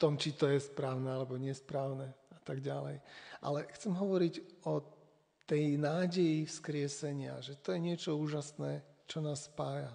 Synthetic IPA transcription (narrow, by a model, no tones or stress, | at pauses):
t̪ɔmt͡ʃit̪ɔjɛspɾaːʊnɛalɛbɔɲɪɛspɾaːʊnɛat̪aɡɟalɛ̰jʔa̰lɛxt͡sɛmɦɔʋɔɾiɟɔ | t̪ɛjnaːɟɛjifskɾɪɛsɛɲɪa̰ʒɛt̪ɔjɛɲɪɛt͡ʃɔuːʒasnɛt͡ʃɔnaːsːpaːja